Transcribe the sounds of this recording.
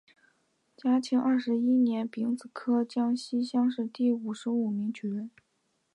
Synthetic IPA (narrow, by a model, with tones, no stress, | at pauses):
t͡ɕja˥t͡ɕʰi˧˥ŋʔɐ˥˩ʂɻ̩˧˥i˥njɛ˧˥npi˧˥ŋt͡sɹ̩˨˩kʰɤ˥t͡ɕjɑ˥ŋɕi˥ɕjɑ˥ŋʂɻ̩˥˧t̪i˥˩u˨˩ʂɻ̩˧˥u˨˩mi˧˥ŋt͡ɕʰy˨˧˥ə˥n